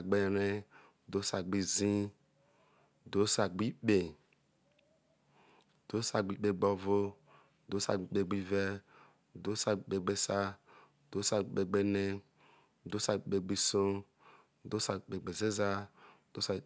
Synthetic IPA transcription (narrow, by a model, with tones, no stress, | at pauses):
ɡ͡be˨ɾe˦˨ | do˨˦sa˨ɡ͡bi˧zĩ˦˨ | do˨˦sa˨ɡ͡bi˦k͡pe˨ | d̥o˨˦sa˧ɡ͡bi˦k͡pe˧˨ɡ͡bɔ˧vo˦˨ | do˨˦sa̰˨˦k͡pe˧ɡ͡bi˧vɛ˦˨ | do˨˦sa˨˦k͡pe˨ɡ͡be˦sa˦˨ | do˨˦sa˨e˨ɡ͡be˧ne˦˨ | do˨˦sa˨˦k͡pe˨ɡ͡bi˧sõ˦˨ | do˦sa˨k͡pe˨ɡ͡be˨ze˦za˦˨ | d̥o˦s